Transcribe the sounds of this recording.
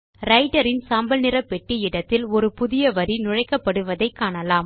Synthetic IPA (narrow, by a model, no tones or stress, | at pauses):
ɾɐɪʈɐɾɪnsaːmbɐlnɪɾɐpːɛʈːiɪɽɐt̪ːɪlɔɾɯpʊðɪjɐʋɐɾinʊɻɐɪkːɐpːɐɽɯʋɐðɐɪkːaːɳɐlaːm